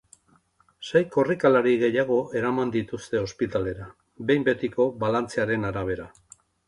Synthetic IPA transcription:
sajko̞rikalaɾiɣe̞jaɣ̞o̞ʔe̞ɾamand̪it̪ust̪e̞o̞spit̪ale̞ɾa | be̞jmbe̞t̪iko̞βalant͡seaɾe̞naɾaβ̞e̞ɾa

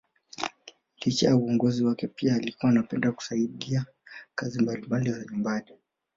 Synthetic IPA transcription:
lit͡ʃajauɔŋɡɔziwakɛpiaːlikuwanapɛndaku̥saiɗia | kazimbalimbalizaɲumbani

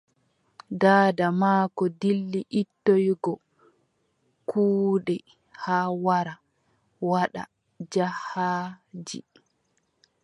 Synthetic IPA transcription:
daːdamaːkɔdilːiʔitːojɡɔ | kʰuːɗɛ | haːwaɾa | waɗa̰ | d͡ʒahaːd͡ʒḭ

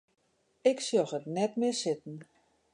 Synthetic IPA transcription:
ɪksjɔxətnɛtmɪsɪtn̩

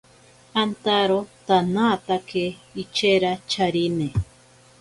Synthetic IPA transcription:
ant̪aɾot̪anat̪akʰeit͡ʃeɾat͡ʃaɾine

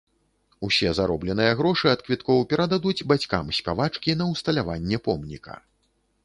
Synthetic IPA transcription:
usʲɛzaɾɔblʲɛnɨjɐɣɾɔʂɨɐt̪kvʲit̪kɔwpʲɛɾʔad̪ad̪ud͡zʲbat͡sʲkamsʲkʲavat͡ʂkʲin̪ɐwst̪ɐlʲavanʲːɛpɔmnʲḭkʰɐ̰

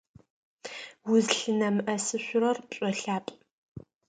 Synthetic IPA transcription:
wʊzɬɨnɐmɨʔɐsɨɕʷʊrɐrpɕʼɔɬaːpʼ

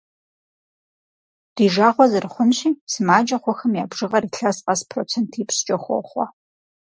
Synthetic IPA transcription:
d̥iːʒaːʁʷɔzɨrɨχʷʊnɕiːsɨmaːd͡ʒɐχʷɔxɐmjaːbʐɨʁɐɾiːɬɐsqɐspʰrot͡sʰeːntʰiːpst͡ʃʼɐxʷɔ̰χʷɔ̰

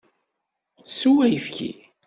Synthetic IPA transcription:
suwæjəfkḭ

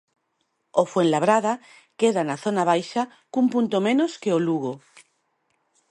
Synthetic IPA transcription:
ofwenlaβ̞ɾaða | keðanaθonaβ̞ajʃa | kumpunt̪omẽnoskeoluɣ̞o

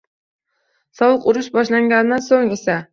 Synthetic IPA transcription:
sɒwɨqʊɾʊʃbɒʃlaŋɡʲanɪd̪ansoŋe̞sa

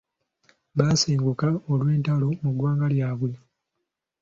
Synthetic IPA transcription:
βaːseːŋɡukaolwe̞ːntalo̞muɡwaːŋɡaljaːβwe̞

